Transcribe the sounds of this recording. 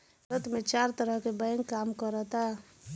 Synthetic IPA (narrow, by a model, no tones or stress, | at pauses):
ɾət̪mẽt͡ʃaːɾt̪əɾəɦkebəjə̃ŋkaːmkəɾət̪a